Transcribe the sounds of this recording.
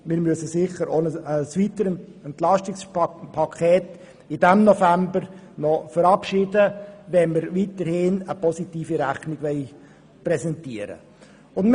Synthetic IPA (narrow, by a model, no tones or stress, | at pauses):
mɪːɾmyəsəsɪχəɾonəəsʋitəɾɛntlɑʃtɪkspʰɑkʰɛːt | ɪd̥ɛmnɔfæmbəɾ | nɔfəɾɑpʃɪːdəʋɛnməɾviːtəɾhɪnəpɔsitiːfiɾæχnɪɡ̥ʋɛɪ | prɛsɛntiəɾə̰ | ʊn